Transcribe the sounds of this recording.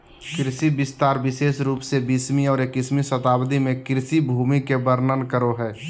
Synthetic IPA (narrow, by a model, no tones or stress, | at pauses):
kɾɪsibɪst̪aːɾbɪʃeːsɾuːpsebismiɔːɾeːkɪsmisət̪aːbd̪imẽkɾɪsibʱuːmikebəɾnənkəɾoɦɛː